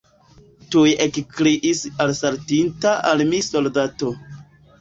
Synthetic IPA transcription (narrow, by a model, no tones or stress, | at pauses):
tujekkɾiʔisalsaɾtintaʔalmiso̞ldato̞